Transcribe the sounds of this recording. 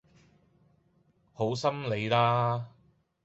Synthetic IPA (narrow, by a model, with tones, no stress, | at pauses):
ho˨˥wsɐ˥mle˨˧jlaː˥